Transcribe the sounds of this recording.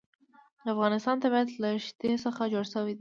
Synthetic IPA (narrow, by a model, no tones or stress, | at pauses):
ləafɣɑnɪst̪ɑnt̪abɑjad̪laʃt̪esəxad͡ʒoɽsəwed̪i